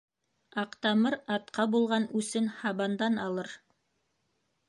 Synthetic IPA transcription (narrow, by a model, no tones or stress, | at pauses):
ɑqt̪ɑmɤɾɑt̪qʰɑbulˠʁɑnʉsɘnhɑβɑnd̪ɑnɑlˠɤɾ